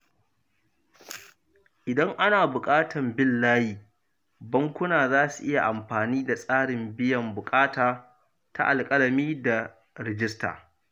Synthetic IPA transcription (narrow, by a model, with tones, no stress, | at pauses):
ʔɪ˨dɐ˦ŋʔa˦naː˨bʊ˨kʼaː˦tɐ˨mbɪ˦lːaː˦jiː˨ | bɐ˦ŋkʷʊ˦naː˨zaː˦su˨ʔɪ˦ja˨ʔa˨mɸaː˨niː˦da˨sʼaː˦ɽɪ˨mbɪ˦jɐ˨mbʊ˨kʼaː˦taː˨ | ta̰˦ʔa˨lkʼɐ˦lɐ˨miː˦da˨ | ɾɪ˨d͡ʒɪ˦sta̰ː˨